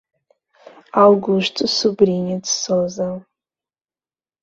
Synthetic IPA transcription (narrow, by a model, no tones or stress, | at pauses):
alɡʊʃtʰʼɨsubrinedsoza